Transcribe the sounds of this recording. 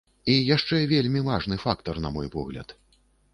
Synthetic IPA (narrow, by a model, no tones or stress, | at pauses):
ijaʂt͡ʂɛvʲelʲmʲivaʐnɨfakt̪ɐrnɐmɔjpɔ̰ɣlʲɐ̰t̪